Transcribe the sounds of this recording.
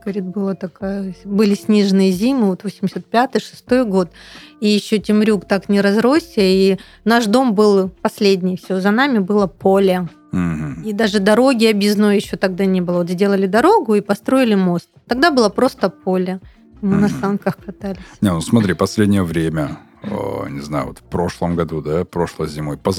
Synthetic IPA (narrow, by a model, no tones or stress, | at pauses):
ɡ̥ɐɾʲit̪̚ʲbɨlˠat̪ɐkajəbɨlʲɪsʲnʲiʐɨnɨjəzʲimɨvo̞t̪vosʲɪmʲɪsʲət̪̚pʲat̪ɨjʂɨ̥st̪o̞jɡo̞t̪ijɪɕːotʲɪmɾʲukt̪aknʲɪɾɐzɾo̞sʲəi | naʂd̪o̞mbɨlˠpɐsʲlʲedʲnʲɪjfsʲɪvozɐnamʲɪbɨlˠəpʰolʲə | m̩ɦm̩id̪aʐɨd̪ɐɾo̞ɡʲɪɐbʲɪznojjɪɕːo̞t̪ɐɡ̚d̪anʲebɨlˠəvot̪zʲdʲe̞lˠəlʲɪd̪ɐɾo̞ɡʊipɐst̪ɾo̞ɪlʲɪmo̞st̪t̪ɐɡ̚d̪abɨlˠəpɾo̞st̪əpo̞lʲə | mɨnɐsankəxkɐt̪alʲɪsʲnʲenusmɐt̪ɾʲipɐsʲlʲedʲnʲɪjəvɾʲemʲə̰ | nʲɪzna̰jʊ̰o̰t̪fpɾo̞ʂlˠəmɡɐd̪ud̪apɾo̞ʂlˠəzʲɪmo̞jpə